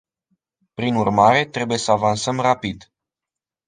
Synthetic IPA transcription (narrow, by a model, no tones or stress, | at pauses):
pɾinurmaɾe̞t̪ɾe̞buje̞səavansəmrapid̪